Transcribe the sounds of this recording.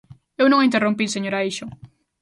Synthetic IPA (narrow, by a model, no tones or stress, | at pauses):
ewnõŋĩnt̪erompiseɲoɾaiʃo